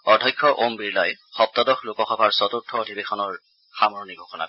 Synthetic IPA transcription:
ɔdʱɔjkʰːɔʔombiɹlajxɔp̚t̪ɔdɔxlokɔxɔbʱaɹsɔt̪uɹtʰːɔːdʱibekʰɔnɔɹ | xamɔɹnikɡʱɔkʰɔna̰

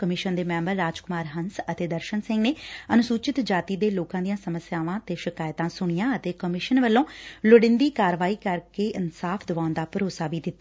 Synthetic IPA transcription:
kəmɪʃənd̪eːmɛ̃ːmbəɾːaːd͡ʒkʊmaːɾɦənsət̪eːd̪əɾʃənsɪ̃ŋɡneːənʊsuːt͡ʃɪt̪d͡ʒaːt̪iːd̪eːloːkãːd̪ijãːsəməsjaːʋãːt̪eːʃɪkaːjt̪ãːsʊɽ̃ɪjãːət̪eːkəmɪʃənʋəlːõːlʊɽɪ̃nd̪iːkaːɾʋaːiːkəɾkeːʔɪnsaːpʰd̪ʊʋãːnd̪aːpəɾoːsaːʋiːd̪ɪt̪ːa

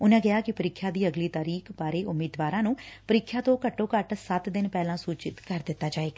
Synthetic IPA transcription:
ʊnãːɡɪaːkɪpəɾɪkʰːjãːd̪iːəɡliːt̪aːɾiːkʰbaːɾeːʔʊmiːd̪ʋaːɾãːnũːpəɾɪkʰːjaːt̪õːkəʈːõːkəʈsət̪d̪ɪnpɛːlãːsuːt͡ʃɪt̪kəɾd̪ɪt̪ːaːd͡ʒaːeːɡaː

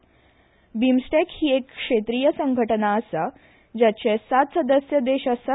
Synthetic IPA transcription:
bimsʈekhiːekːʂet̪ɾijəsəŋɡʱəʈənaəsa | d͡ʑat͡ɕesat̪səd̪əsjəd̪eɕəsa

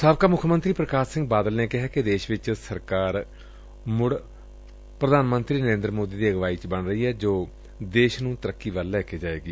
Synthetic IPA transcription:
saːbkaːmʊkʰːəmə̃nt̪ɾiːpɾəkaːsɪ̃ŋɡ̚baːd̪əlneːkɪɦɛːkɪd̪eːʃʋɪt͡ʃsəɾkaːɾ | mʊɽ | pɾəd̪aːnmənt̪ɾiːnəɾẽːnd̪ɾmoːd̪iːd̪iːəɡʋaːiːt͡ʃbəɳɾəɦiːɛːd͡ʒoː | d̪eːʃnũːt̪əɾəkːiːʋəlːɛːkʰeːd͡ʒaːḛːɡiː

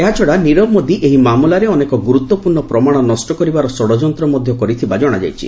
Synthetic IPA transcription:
eɦat͡ʃʰɔɽaniɾɔbmɔd̪iʔeɦimamulaɾeɔnekɔɡuɾut̪wɔpuɾɳɔpɾɔmaɽ̃ɔnɔsʈɔkɔɾibaɾɔsɔɽɔd͡ʒɔnt̪ɾɔmɔd̪ʱjɔkɔɾit̪ʰibad͡ʒɔɽ̃ad͡ʒa̰jt͡ʃʰḭ

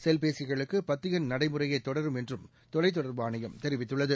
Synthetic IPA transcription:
sɛlpeːsɪɣɐɭɯkːɯpɐt̪ːɪɣɐnnɐɽɐɪmɯrɐjɐɪt̪ːɔɽɐɾɯmɛndrɯm | t̪ɔlɐɪt̪ːɔɽɐɾʋɯaːnɐjɐmt̪ɛɾɪʋɪt̪ːɯɭːɐðɯ

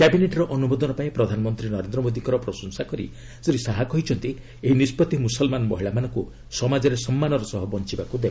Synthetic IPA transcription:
kebineʈɔɾɔʔɔnubɔd̪ɔnɔpaĩpɾɔd̪ʱanɔmɔnt̪ɾinɔɾend̪ɾɔmod̪ikɔɾɔpɾɔsɔnsakɔɾḭ | seɾisaɦakɔɦit͡ʃʰɔnt̪i | eɦinispɔt̪imusɔlmanɔmɔ̰ɦiɭamanɔku | sɔmad͡ʒɔɾesɔmːanɔɾɔsɔɦɔbɔnt͡ʃibakud̪ekʰɔ

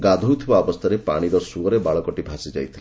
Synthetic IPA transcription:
ɡad̪ʱowt̪ʰibaɔbɔst̪ʰaɾepa̰ɽ̃iɾɔsuɔɾebaɭɔkɔʈibʱasid͡ʒa̰jt̪ʰile

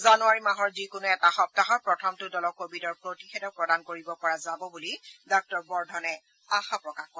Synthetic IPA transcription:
zanuaɹimaɦɔɹzikʊnuɛtaxɔp̚taɦɔɹpɹɔtʰɔmtʊdɔlɔkobidɔɹpɹotixɛdɔpɹɔdankoɹibɔpɔɹazabɔbulidɔk̚tɔɹbɔɹdʱɔnɛ | axapɹɔkaxkɔ

